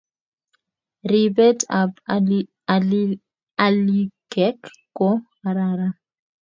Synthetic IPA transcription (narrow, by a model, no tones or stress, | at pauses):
ɾibɛtab | alikɛkː | ɔhaɾaɾa